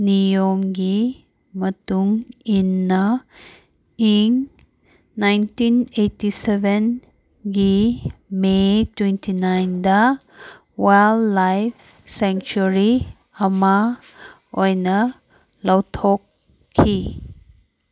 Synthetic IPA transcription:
nijomɡi | mɐtuŋinːɐ | iŋ | najntinetisebʱen | ɡimetwentʰinajndɐ | wajlːajpʰ | seŋt͡ʃuɾi | ɐma | ojnɐ | lɐwtʰokʰː | i

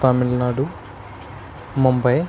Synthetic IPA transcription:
t̪aːmilnaːɽu | mumbɐj

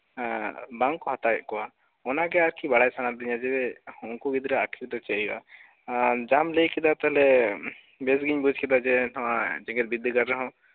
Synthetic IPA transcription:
baŋkɔɦɔt̪ajɛʔkɔwa | ɔnaɡɛaɾkʰibaɽajsanaɾd̪iɲad͡ʒɛbɛhɔ̃kuɡid̪ɾɛakʰiɾd̪ɔt͡ʃɛia̰ | d͡ʒamlejkɛd̪at̪ɛɦlɛ | bɛs̬ɡiɲbud͡ʒkɛd̪ad͡ʒɛt̪ʰɔwad͡ʒɛŋɡɛt̪̚bid̪ɡaɾɾɛɦɔ̃

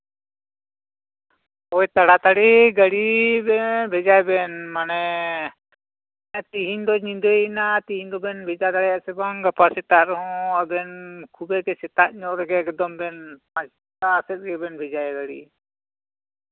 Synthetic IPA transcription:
ɔjt̪aɽat̪aɽiɡaɽibɛbʱɛd͡ʒajbɛnmanɛ | t̪iɦiɲd̪ɔɲĩnd̪ɔnat̪iɦiɲd̪ɔbɛnbʱɛd͡ʒat̪aɽɛjaʔsɛbaŋɡapasɛt̪aɾɔɦɔ̃abɛnkʰubɛkɛsɛt̪aʔ̚ɲɔʔɾɛɡɛɛkd̪ɔmbɛnpãd͡ʒ | asɛt̪̚ɡɛbɛnbʱɛd͡ʒajɡaɽḭ

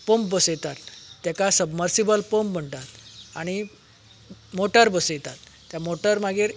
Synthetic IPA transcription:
pombəsjt̪at̪ːjakasəbməɾsibəlpəmm̤əɳt̪at̪aɽ̃i | moʈəɾbəsəjt̪at̪ːjamoʈəɾmaɡiɾ

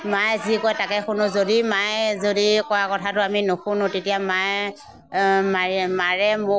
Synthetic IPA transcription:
majzikɔjtakɛxʊnʊ̃zodimajzodikɔwakɔtʰatʊaminoxʰunʊ̃tetijamaj | mamaɹɛmʊ

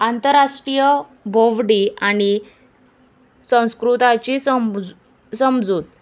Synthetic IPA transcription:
ant̪əɾaʂʈɾijə | bʱoʋɽiaɽ̃i | sə̃w̃skɾut̪at͡ɕisəm | səmd͡zuːt̪̚

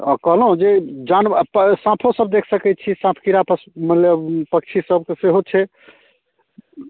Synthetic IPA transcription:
kəɦləɦũd͡ʒed͡ʒanasãpʰosəbd̪ekʰsəkɛt̪̚t͡ʃʰisãpʰkiɾapəsməlepək̚t͡ʃʰisəbkeseɦot͡ʃʰɛ

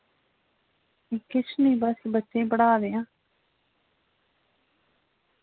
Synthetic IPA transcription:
eːkɪt͡ʃʰnĩːbəsbətːʃẽːpəɽaːd̪eːãː

